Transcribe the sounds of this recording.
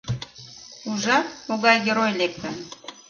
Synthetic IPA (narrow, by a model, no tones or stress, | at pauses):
uʒɑmoɣɑjɡʲeɾojlep̚t̪ən